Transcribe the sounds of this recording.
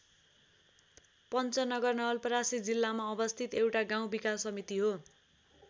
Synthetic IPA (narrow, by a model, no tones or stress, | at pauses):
pʌnt͡sʌnʌɡʌrnʌɦʌlpʌɾasid͡zilːamaʌbʌst̪ʰit̪ewʈaɡaw̃bikassːʌmit̪iɦo